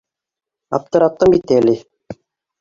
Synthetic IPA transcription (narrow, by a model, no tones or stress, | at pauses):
ɑ̰p̚t̪ɤ̆ɾɑt̪̚ːɤmbit̪ːæli